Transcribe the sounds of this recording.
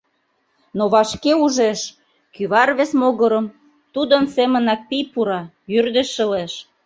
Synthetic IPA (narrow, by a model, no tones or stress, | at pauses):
noβɑʃkeuʒeʃ | kyβɑrβesmoɣə̆ɾə̆m | t̪ud̪ənsemə̆nɑk̚pijpuɾɑ | jyrd̪ĕʃə̆leʃ